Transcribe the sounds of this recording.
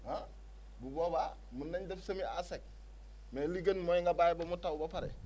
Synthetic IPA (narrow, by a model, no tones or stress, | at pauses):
a | buboba | munːaɲdefsɐmia̰sek̚ | meliɡanmoiŋɡabajebomutawubapaɾḛ